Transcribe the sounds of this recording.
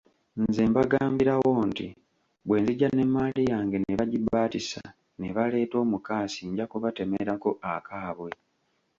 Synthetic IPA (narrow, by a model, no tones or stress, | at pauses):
nzembaɡaːmbiɾawo̞ːntḭ | βwe̞ːnziɟane̞mːaːlijaːŋɡe̞neβaɟibaːtisa | neβale̞ːto̞ːmukaːsiɲɟakuβate̞meɾako̞ʔakaːβwe̞